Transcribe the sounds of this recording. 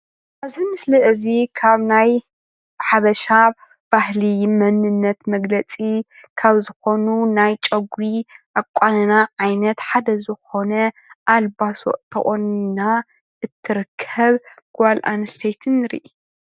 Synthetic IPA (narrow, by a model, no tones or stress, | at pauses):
ʔaβzimɨslɐʔɨzikʰaβnaj | ħaβɐʃa | b̥ahlimɐnɨnːɐt̪mɐɡlɐt͡sʼi | kʰaβzɨxo̞nunajt͡ʃʼɐɡɾiʔakʷʼːanɐnaʕajnɐt̪ħad̪ɐzɨxo̞nɐ | ʔalbaso̰ʔt̪ʰɐ̰χʼonina | ʔɨt̪ʰːɨɾɨkʰːɐβɡ̥ʷalʔa̰nɨst̪ʰejt̪ʰɨnɾḭʔi